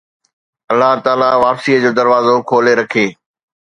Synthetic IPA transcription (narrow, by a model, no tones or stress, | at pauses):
ɐlːaɦt̪aːlaʋaːpsiːəd͡ʑoːd̪ɐɾʋaːzokʰoːleɾɐkʰeː